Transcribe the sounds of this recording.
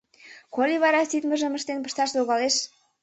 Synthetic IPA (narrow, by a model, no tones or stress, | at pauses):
kolʲiβɑɾɑsit̪mə̆ʒə̆mə̆ʃt̪enpə̥̆ʃt̪ɑʃzoɣɑleʃ